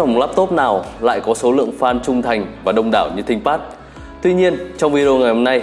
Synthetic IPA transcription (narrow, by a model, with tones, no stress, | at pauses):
ŋ͡mlaː˦˥p̚t̪o˦˥t̚naː˨˩wla̰ː˧˨jkɔ˨˦so˨˦lɨ̰˧˨əŋfaː˧nt͡ɕʊ˧ŋ͡mt̪ʰa˨˩jŋ̟vaː˨˩ɗə˧wŋ͡mɗa̰ː˧˩wɲɨ˧t̪ʰï˧ŋ̟paː˦˥t̚ | t̪wi˧ɲi˧ənt͡ɕɔ˧wŋ͡mvi˧ɗo˧ŋa˨˩jho˧mna˧j